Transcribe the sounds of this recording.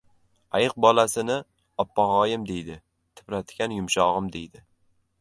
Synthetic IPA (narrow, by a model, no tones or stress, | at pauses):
ajɨq̚bɒlasɪnɪ | ɒpːaʁɒjɪmd̪e̞jd̪ɪ | t̪ʰɪ̥pɾat̪ʰkʲanjʊmʃɒʁɨmd̪e̞jd̪ɪ